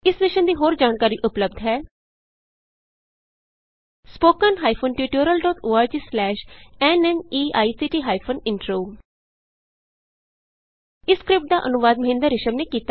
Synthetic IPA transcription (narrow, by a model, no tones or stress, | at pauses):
ɪsʋɪʃənd̪iːɦoːɾd͡ʒaːnkaːɾiːʔʊpləb̚d̪ɦɛː | spoːkənɦaːipʰoːnʈuːʈoːɾəlɖɔːʈoːaːɾd͡ʒiːslɛːʃɛːnɛniːaːisiːʈiːɦaːipʰoːnɪɳʈɾoː | ɪskɾɪp̚ʈ̚d̪aːʔənʊʋaːd̪̚məɦɪ̃nd̪əɾːɪʃəmneːkiːt̪a